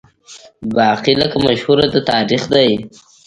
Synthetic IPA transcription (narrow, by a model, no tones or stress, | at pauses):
bɑːqiləkamaʃhuɾad̪ət̪ɑɾixd̪aj